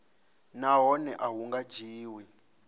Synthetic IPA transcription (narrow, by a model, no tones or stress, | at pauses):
naɦɔnɛʔaɦuŋɡḁd͡ʒiːwi